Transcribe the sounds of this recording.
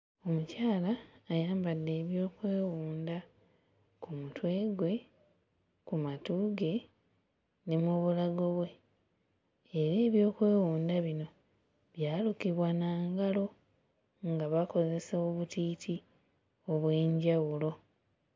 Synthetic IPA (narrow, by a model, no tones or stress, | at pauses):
o̞mucaːlaːjaːmbadːe̞ːβjo̞ːkwe̞ːwuːnda | kumutwe̞ːɡwe̞ | kumatuɡe̞ | nemuβulaɡo̞βwe̞ | ɾeːβjo̞ːkwe̞ːwuːndaβino̞ | βjaːlukiβwanaːŋɡalo̞ | ŋɡaβako̞ze̞saoβutiːtʰi | o̞βwe̞ːɲɟawulo̞